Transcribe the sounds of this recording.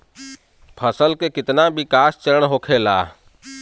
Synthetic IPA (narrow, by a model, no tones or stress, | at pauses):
pʰəsəlkekɪt̪nabɪkaːst͡ʃəɾəɳɦoːkʰeːla̰ː